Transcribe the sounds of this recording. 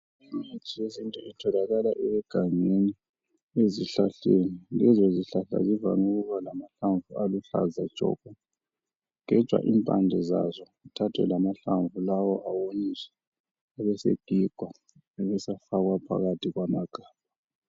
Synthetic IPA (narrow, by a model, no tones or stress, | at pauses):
imat͡ʃʼijezintʼuitʰɔlaɣalaʔɛwɛɡ̥ʱaŋeni | eziɬaɬenilɛzɔziɬaɬa̰ziva̰nuɣuβalamaɬaɱvualuɬa̰zḁt͡ʃʼɔ̰ɡ̥ʱʼɔ | ŋɛ̥ʒ̥ʱwa̰ʔimpʼa̰ndʱɛza̰zɔ | itʰatʰwɛ̰lamaɬaɱvulawɔʔawonisɛ̥ | aβɛsḛɡ̥ʱiɡ̥ʱwa | ɛβɛsafaɣwapʰa̰ɣatʰiɣwamaɡ̥ʱaːb̥ʱa